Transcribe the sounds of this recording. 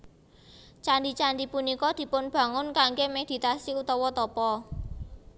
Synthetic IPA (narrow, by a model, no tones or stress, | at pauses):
t͡ʃanɖit͡ʃandipunikɔd̪̥i̤pʊnb̥ä̤ŋʊnkaŋɡemed̪̥i̤t̪asiut̪ɔwɔt̪ɔpɔ